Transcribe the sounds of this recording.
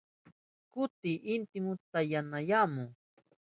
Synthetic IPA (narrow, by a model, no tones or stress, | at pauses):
kʊt̪iʔɪnt̪ɪmʊt̪ajanajamʊ